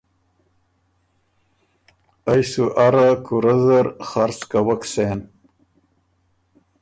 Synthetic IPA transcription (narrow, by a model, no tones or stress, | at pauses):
ajsuʔaɾakuɾazaɾχaɾskawaksen